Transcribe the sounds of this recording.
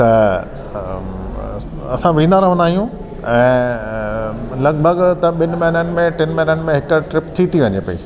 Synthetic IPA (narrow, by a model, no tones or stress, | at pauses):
t̪ɐ | ɐsãʋĩːnaːɾɐʋə̃nd̪aːɦijũ | ɛ̃ː | lɐɡbʱəɡt̪ɐɓɪnɪmɐɦɪnənɪ̆mẽʈɪnmɐɦɪnənɪ̆mẽɦɪkʈɾɪpt̪ʰit̪ʰiʋɐɲepɐḭː